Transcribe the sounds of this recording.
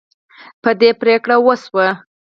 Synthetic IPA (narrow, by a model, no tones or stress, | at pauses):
pəd̪epɾekɽawəswə